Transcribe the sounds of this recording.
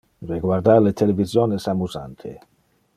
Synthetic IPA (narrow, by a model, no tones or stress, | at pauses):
reɡward̪alet̪ʰelevizjonesamuzant̪ʰḛ